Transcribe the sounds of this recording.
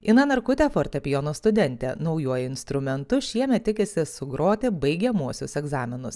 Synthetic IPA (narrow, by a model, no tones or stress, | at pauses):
ɪnɐnɐɾkʊt̪ʲɛːfoːɾʲt̪ʲɐpʲɪjoːnoːst̪ʊd̪ʲɛnʲt̪ʲḛːnɒʊjuɔjɪnst̪ɾʊmʲɛnt̪ʊʃʲiɛmʲɛt̪̚ːʲɪkʲɪsʲɪsʊɡɾoːt̪ʲɪbɐɪɡʲɛmuɔsʲʊsɛɡzɑːmʲɪnʊs